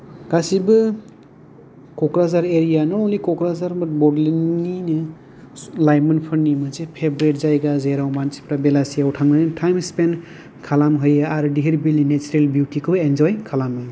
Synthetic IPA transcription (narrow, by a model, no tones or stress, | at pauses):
ɡ̥asibɯ | kɔkɾazaɾeɾijanɔnɔwlikɔkɾazaɾmɯt̚bɔdlinːinɯ | lajmɯnpʰɯɾnimɯzepʰebɾet̚zajɡazeɾawmansi̥pɾabelasijautʰaŋnɯtʰajmspen | kʰalamɦɯjaaɾɯdiɦiɾbilninet͡ʃuɾelbjutikʰɯbend͡ʒɔjkʰalamɦɯj